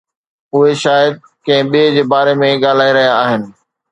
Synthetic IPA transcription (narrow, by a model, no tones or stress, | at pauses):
ʊɦeʃaːjəd̪̚ | kɐ̃ɦɪ̃ɓid͡ʑeːbaːɾemẽɠaːl̤aːiɾɐɦijaːɦɪnɪ̆